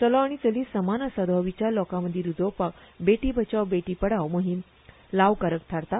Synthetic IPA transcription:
t͡səlɔaɽ̃it͡səliːsəmanəsəd̪ʱɔʋit͡ɕjalɔkaməd̪ʱːiɾud͡zʱɔwpakbeʈiːbʱət͡ɕaʋbeʈiːpəɽaʋwməɦim | laʋkaɾək̚t̪ʰaɾt̪a

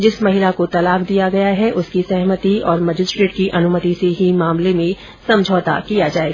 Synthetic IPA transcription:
d͡ʒɪsmɐɦɪlakot̪ɐlaːkd̪ijaɡɐjaɦɛʔʊskisɛɦmət̪iɔːɾmɐd͡ʒɪsʈɾeːʈ̚kiʔɐnʊmət̪iseɦimaːmlemẽ | sɐ̃md͡ʒʱɔːt̪a̰kijad͡ʒaːeːɡa

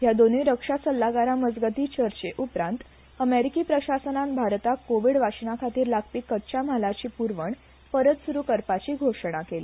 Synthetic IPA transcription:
ɦjad̪oniiɾəkʂasəlːaɡaɾaməd͡zɡət̪it͡ɕəɾt͡ɕeʔupɾãnt̪ | əmeɾikiːpɾəɕasənãmbʱaɾt̪akoʋiɽʋaɕinakʰat̪iːɾlaɡpiːkːətːt͡ɕam̤alat͡ɕiːpuɾʋəɳ | pəɾət̪suɾuːkəɾpat͡ɕiːɡʱoʂɽ̃akelḭː

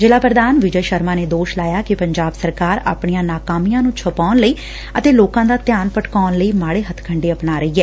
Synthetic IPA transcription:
d͡ʒɪlaːpɾəd̪aːnʋɪd͡ʒəjʃəɾmaːneːd̪oːʃlaːjaːkɪpəɲd͡ʒaːbsəɾkaːɾa̰ːpɳijãːnaːkaːmijãːnũːt͡ʃʰəpaːnləiː | ət̪eːloːkãːd̪aːt̪jaːnpəʈkaːnləiːmaːɽeːɦət̪ʰkʰəɳɖeːəpnaːɾəiːɦɛː

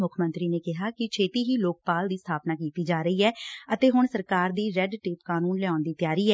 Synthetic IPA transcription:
mʊkʰmə̃nt̪ɾiːneːkɪɦaːkɪt͡ʃʰeːt̪iːɦiːloːk̚paːld̪iːst̪ʰaːpnaːkiːt̪iːd͡ʒaːɾəiːɛːət̪eːɦʊɳsəɾkaːɾd̪iːɾɛɖʈɪːpkaːnuːnlɪãːnd̪iːt̪ɪjaːɾiːɛː

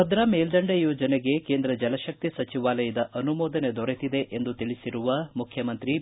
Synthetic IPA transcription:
ɐd̪ɾɐmeːld̪ɐɳɖejoːd͡ʒɐneɡe̞keːnd̪ɾɐd͡ʒɐlɐʃɐk̚t̪isɐt͡ʃiʋaːlɐjɐd̪ɐʔɐnumɔːd̪ɐned̪ɔɾet̪id̪e̞ʔend̪ut̪iɭisiɾuʋɐmukʰjɐmɐnt̪ɾi

